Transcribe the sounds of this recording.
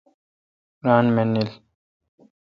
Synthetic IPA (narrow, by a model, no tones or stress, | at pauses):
ɾaːnmɛnːil